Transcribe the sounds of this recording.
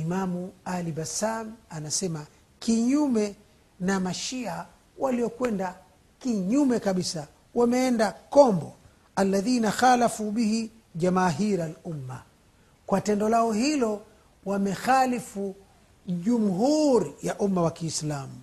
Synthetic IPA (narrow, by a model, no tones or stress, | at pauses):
imamualibasamanasɛma | kiɲumɛ | namaʃia | waliɔkwɛnda | kiɲumɛkaɓisa | wamɛɛndakɔmbɔ | alːaðiːnaxalafuɓihi | ʄamaːɦiɾalumːa̰ | kwatɛndɔlaɔhilɔ | wamɛxalifu | ʄum̩ɦuɾijaʔumːawakiːslamu